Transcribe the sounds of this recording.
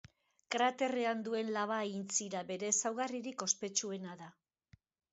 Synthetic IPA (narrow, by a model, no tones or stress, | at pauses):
kɾat̪e̞re̞and̪ue̞nlaβ̞aint͡siɾabe̞ɾe̞sawɣariɾiko̞spe̞t͡ʃue̞naða